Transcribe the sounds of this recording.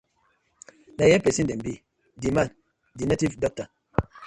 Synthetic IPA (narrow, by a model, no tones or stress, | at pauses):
najɛpɛsidɛmbi | diman | dinativdɔk̚ta